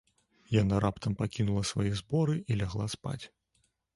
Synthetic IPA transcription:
janaɾʔapt̪ʰɐmpakʲinulˠɐsvajɛzbɔɾɨʔilʲaɣlˠaspa̰t͡sʲ

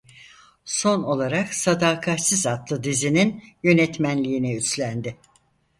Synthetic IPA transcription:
so̞no̞lˠaɾaksad̪aːkʰat̪sizat̪lˠɯd̪izininjø̞nɛt̪mænlʲijːnɛyslʲænd̪ɪ

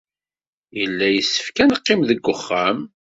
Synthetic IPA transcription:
jəlːæjəsːə̥fkænəqːɪmðəɡʷːʊχːæm

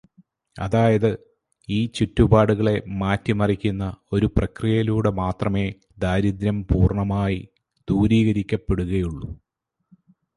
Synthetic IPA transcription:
ɐ̰ðaːjɐðɨ | iːt͡ɕutːubaːɽuɣɐɭe̞maːtːimɐrikʲːunːɐo̞ɾuprɐkrijɐiluːɽemaːt̪rɐme̞ː | d̪aːɾid̪ɾɐmpuːrɳɐmaːji | d̪̥uːɾiːɣɐɾikʲːɐpːe̞ɽuɣɐjuɭːu

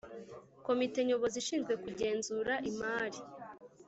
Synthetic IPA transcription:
ko̞mite̞ɲo̞βo̞ziʃiːnzɡwe̞kuɟe̞ːnzuːɾaʔimaːɾi

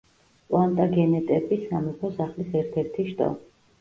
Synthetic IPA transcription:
pʼlˠant̪ʼaɡɛnɛt̪ʼɛbisamɛpʰɔsaχlisɛɾt̪ʰɛɾt̪ʰiʃt̪ʼɔ̰

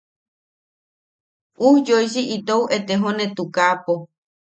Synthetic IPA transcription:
uhd͡ʒojsiʔit̪owʔet̪eɦonet̪ukapo

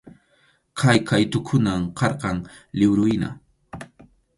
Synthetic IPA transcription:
kʰajkʰajt̪ʊkʰʊnamqɑɾqɑŋlɪbɾʊjna̰

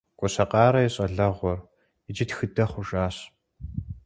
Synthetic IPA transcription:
kʷʼɔɕɐqɑːɾɐjɛɕʼɐɮɐʁʷɔr | ɪd͡ʒɪtxɨdɐχʷʊʒʼaːɕ

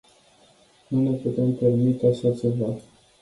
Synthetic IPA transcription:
nune̞put̪e̞mpe̞rmit̪e̞aʃat͡ʃe̞va

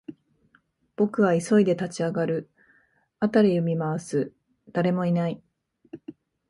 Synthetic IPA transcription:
b̥o̞kɯ̟βaiso̞id̪e̞t̪at͡ɕiaɡaɾɯ̟ | at̪aɾʲijoɯmʲimaasɨ | d̪̥aɾe̞mo̞inai

